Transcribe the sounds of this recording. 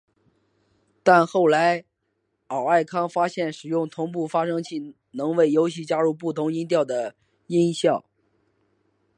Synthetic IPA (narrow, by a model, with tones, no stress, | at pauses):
t̪a˥˧nxo˥˩ʊla˧˥ɪ | ɑ˨˩ʊa˥˩ɪkʰɑ˥ŋfa˥ɕjɛ˥˩nʂɻ̩˨˩jʊ˥˩ŋt̪ʰʊ˧˥ŋp̬u˥˩fa˥ʂɤ˥ŋt͡ɕʰi˥˩ | nɤ˧˥ŋwe˥˩ɪjo˧˥ʊɕi˥˩t͡ɕja˥ɻu˥˩˧p̬u˥˩t̪ʰʊ˧˥ŋi˥nt̪̬jɑ˥˩ʊd̪ə˩ | i˥nɕjɑ˥˩ʊ